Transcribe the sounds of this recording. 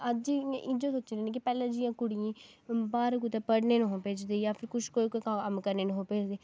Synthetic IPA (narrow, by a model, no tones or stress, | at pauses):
əd͡ʒiʔɪd͡ʒoːsoːt͡ʃd̪eːnẽːkɪpɛːlãːd͡ʒɪjãːkʊɽiãːbaːɾɡut̪eːpəɽneːnũɦõːpeːd͡ʒd̪eːjaːpʰɪɾkʊʃkoːiːkoikəəmkəɾneːnũɦoːpeːd͡ʒd̪eː